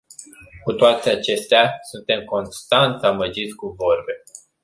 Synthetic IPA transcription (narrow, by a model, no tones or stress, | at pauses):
kut̪oat̪e̞at͡ʃe̞st̪easunt̪e̞mko̞nst̪ant̪aməd͡ʒit̪sʲkuvo̞rbe̞